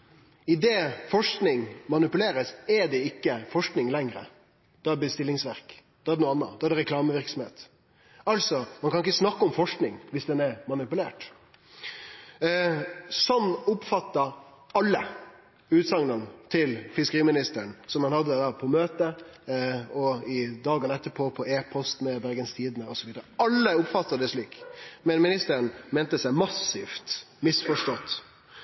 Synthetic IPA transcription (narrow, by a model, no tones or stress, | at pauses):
ɪd̪eːfɔʂknɪŋmɑnɪpʉleːɾəsɛɖɛɪkːəfɔʂknɪŋlɛŋɾə̰ | d̪̥ɑbəst̪ɪlːɪŋsʋæɾkd̪̥ɛɑd̪ɛnuːɑnːə̰d̪ɑdɖ̪ɛɾɛkʰlɑːməʋɪɾksɔmheːt̪ | ɑlsɔmɑnkʰɑnɪkːəsnɑkːəɔmfɔʂknɪŋʋɪsd̪ɛnɛɾmɑnɪpʉlḛːʈ | sɔnːʊpfɑt̪ːɑ | ɑlːə | ʉːt̪sɑŋnənt̪ʰɪlfɪskəɾiːmɪnɪst̪əɾɳsɔmɑnhɑd̪ːəd̪ɑːpʰɔmøːt̪ə | ɔɪd̪ɑːɡɑnəɛt̪ːəpʰoːpʰɔeːpʰɔst̪mɛbæɾɡənst̪ʰiːd̪nəɔsɔʋiːd̪əɾəɑlːəʊpfɑt̪ːəd̪ɛʂɭiːkmɛnmɪnɪst̪əɾənmɛːnt̪əsæɪmɑsːɪft̪ | mɪsfɔʂʈɔt̪ː